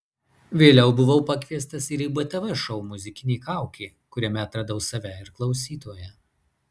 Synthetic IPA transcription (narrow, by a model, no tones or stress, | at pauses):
ʋʲeːlʲɛʊbʊʋɐʊpɐkʲʋʲiɛst̪ɐsɪɾibɐt̪ʲɛʋɛʃɒʊmʊzʲɪkʲɪnʲɛɪkɑˑʊkʲɛɪ | kʊɾʲɛmʲɛɐt̪ɾɐd̪ɐʊsɐʋʲɛɪɾklˠɒʊsʲiːt̪oːjɛ